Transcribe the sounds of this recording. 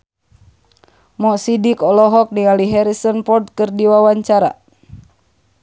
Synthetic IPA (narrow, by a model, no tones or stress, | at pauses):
mɔsidikɔlɔɦɔk̚niŋaliɦɛɾisɔnpɔrd̪̚kɨrdiwawaɲt͡ʃaɾa̰